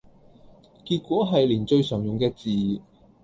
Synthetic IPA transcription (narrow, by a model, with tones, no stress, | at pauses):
kiː˧t̚kʷɔː˨˥ɦɐ˨jliː˨˩nt͡ʃɵ˧ɥsœː˨˩ŋjʊ˨ŋkɛː˧t͡siː˨